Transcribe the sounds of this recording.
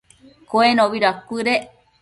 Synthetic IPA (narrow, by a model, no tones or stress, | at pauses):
koenoβiɾakɨɾe